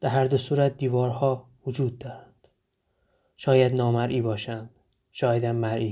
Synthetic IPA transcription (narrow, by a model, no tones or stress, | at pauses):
d̪̥æɾhæɾd̪osuːɾæt̪̚ʰd̪iːvɒːɾhɒː | vod͡ʒuːd̪̚ːɒːɾænd̪̥ | ʃɒːjæd̪nɒːmæɾʔiːbɒːʃænd̪̥ | ʃɒːjæd̪æmːæɾʔiː